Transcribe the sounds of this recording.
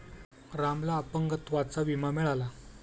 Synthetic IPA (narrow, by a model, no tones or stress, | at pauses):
ɾamlaːpəŋɡət̪ʋat͡saʋimameɭala